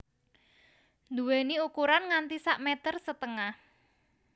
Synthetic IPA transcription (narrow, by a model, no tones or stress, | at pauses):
nd̪uweniukuɾanŋant̪isaʔmɛt̪ərsət̪əŋah